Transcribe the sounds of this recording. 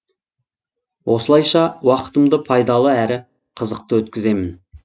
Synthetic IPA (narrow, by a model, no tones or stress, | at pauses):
wʔo̞səlˠɑjʃɑwɑqə̥t̪əmd̪əpʰɑjd̪ɑlˠəæɾɪ | qʰəzəq̚t̪əwɵt̪kʲɪze̞mɪn